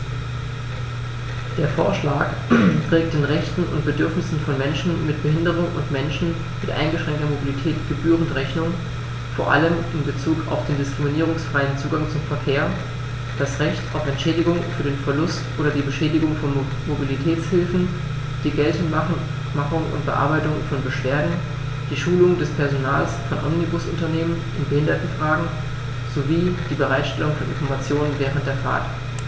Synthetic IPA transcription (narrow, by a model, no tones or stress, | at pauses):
d̥eːɐfoːɐʃlaːk | tʁ̥ɛːk̚t̚d̥eːnʁɛçtn̩ʊ̰nt̚b̥ədʏɐfnɪsn̩fɔnmɛnʃn̩mɪt̚b̥əɦɪndəʁ̞ʊŋʔʊ̰ntmɛnʃn̩ | mɪtʔa̰ɪnɡəʃʁ̥ɛŋktɐmobilitʰɛːtɡ̥əbyːʁəntʁɛçnʊŋ | foːɐʔa̰ləmɪnbət͡suːka̰ʊfd̥eːndɪskʁ̥ɪminiːʁ̞ʊŋsfʁ̥aɪənt͡suːɡaŋt͡sʊmfɛɐkʰeːɐ | d̥asʁɛçta̰ʊfɛntʃɛːdɪɡʊŋfyːɐdeːnfɛɐlʊstʔoːɾɐdiːbəʃɛːdɪɡʊŋfɔn | mobilitʰɛːt͡shɪlfn̩ | d̥iːɡɛltn̩a | maχʊŋʊ̰nt̚b̥əʔa̰ɐbaɪtʊŋfɔnbəʃv̥eːɐdn̩ | d̥iːʃuːlʊŋdɛspʰɛɐzonaːlsfɔnʔɔmnibʊsʊntɐneːmənʔɪnbəhɪndɐtn̩fʁ̥aːɡŋ̩ | z̥oviːd̥iːbəʁaɪtʃtɛlʊŋfɔnʔɪ̰nfɔɐmat͡sjoːnənvɛːʁ̞əntd̥eːɐfa̰ːɡ